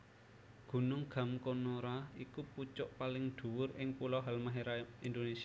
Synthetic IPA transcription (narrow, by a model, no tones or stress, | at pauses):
ɡ̥ṳnʊŋɡ̥a̤mkonoɾaikuput͡ʃʊʔpalɪŋɖ̪̥ṳwʊɾɪŋpulɔɦalmaɦeɾaind̪onesi